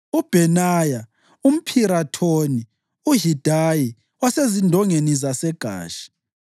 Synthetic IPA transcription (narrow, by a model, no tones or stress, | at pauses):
ub̥ʱɛnaːja | um̩pʰiɾatʰoni | uɦid̥ʱaji | wasezindʱɔŋenizasɛɡ̥ʱa̰ːʃi̥